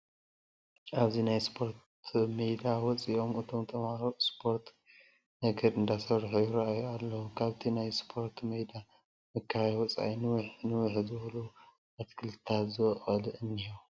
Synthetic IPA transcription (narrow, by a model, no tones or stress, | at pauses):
ʔaβzinajspʰo̞ɾt̪ | mejd̪awɔt͡sʼiʔo̞mɨt̪ʰo̞mt̪ʰɐmhaɾoʔspʰo̞ɾt̪ | nɐɡɐɾɨnd̪asɐβɾħujuɾɐʔajualːɐwukʰaβt̪ʰinajspʰo̞ɾt̪ʰmɐjd̪a | mɨkʰːawɔt͡sʼa̰jnɨwħnɨwʊħzɨwɐlu | ɐt̪kʰɨlt̪ʰat̪zɨwɐχʼɐlɨʔɨnːio